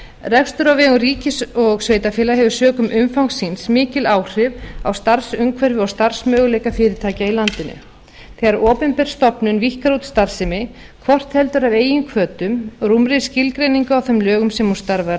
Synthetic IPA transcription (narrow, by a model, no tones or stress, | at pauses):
rɛxst̪ʏɾawvɛːɣʏriːcɪsɔɣsveːjt̪afɪːlaɦɛvʏ̥sœːkʏmʔʏmfawŋsːinsmɪːcɪlaːwr̥ɪvawst̪aɾsʏŋkʰvɛɾvɪɔwst̪aɾ̥smœːɣʏleːjkafɪːɾɪt̪ʰaːcailant̪ɪnʏ̰ | θɛːɣaɾʔɔːpɛnpɛɾ̥st̪ɔpnʏnvihkaɾut̪st̪aɾ̥sɪmɪ | kʰvɔr̥t̪hɛlt̪ʏɾaveːjʏnkʰvœːt̪ʏmrumɾescɪlkɾejniŋkʏawθœmlœːɣʏmsɛmu̥st̪aɾva